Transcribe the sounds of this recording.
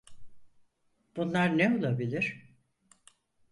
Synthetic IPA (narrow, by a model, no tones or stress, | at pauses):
b̥unlˠaɾnɛo̞lˠabilʲiɾ̥